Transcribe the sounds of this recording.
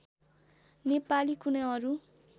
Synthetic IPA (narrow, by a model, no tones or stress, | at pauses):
nepalikunaʌɾu